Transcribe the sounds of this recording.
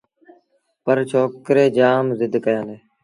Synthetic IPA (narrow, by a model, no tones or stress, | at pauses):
pəɾt͡ʃʰoːkɾeːd͡ʒaːmzɪd̪ʱkəjãːneː